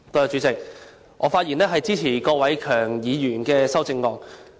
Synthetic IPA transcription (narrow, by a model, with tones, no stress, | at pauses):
kɵ˧jt͡ʃyː˨˥t͡sɪ˨k̚ | ʔɔː˨˧faː˧t̚jiː˨˩nɛː˥ɦɐ˨jt͡siː˥t͡sʰiː˨˩kɔː˧wɐ˨˥jkʰœː˨˩ŋjiː˨˧jyː˨˩nkɛː˧sɐ˥wt͡sɪ˧ŋːɔː˧ŋ